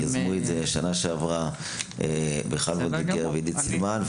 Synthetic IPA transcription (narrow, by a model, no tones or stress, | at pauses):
jazmuedzeʃanaʃeavʁa | ebeχalmodbikeʁveid̪it͡silmanv